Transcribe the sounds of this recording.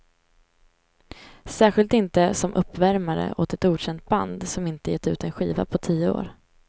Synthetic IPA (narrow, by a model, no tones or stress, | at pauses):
sæːɧɪlt̪ɪnt̪əsɔmʔɵpːvæɾmaɾə̰ʔoːt̪ɛt̪uːɕɛnt̪̚ba̰nd̪sɔmɪnt̪əjɛt̪ːʉ̟ːt̪ɛnɧiːva̰pʰɔt̪ʰiːəo̰ːɾ